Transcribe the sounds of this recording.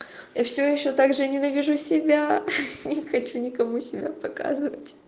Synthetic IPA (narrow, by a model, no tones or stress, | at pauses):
jafsʲojɪɕːot̪aɡʐɨnʲɪnɐvʲiʐusʲɪbʲanʲɪxɐt͡ɕunʲɪkɐmusʲɪbʲa̰pɐka̰zɨvətʲ